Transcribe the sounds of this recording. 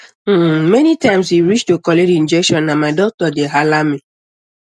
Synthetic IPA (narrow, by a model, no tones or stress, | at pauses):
m̩menitaɪmsiɾit͡ʃtokɔleɾin̩d͡ʒɛkʃɔnːamaɪdɔk̚tɔdeɦalami